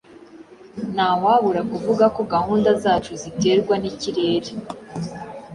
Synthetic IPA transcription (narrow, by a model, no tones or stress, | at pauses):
naːwaːβuɾakuvuɡako̞ɡahuːndazaːt͡ʃuzite̞ːɾɡwaniciɾe̞ːɾe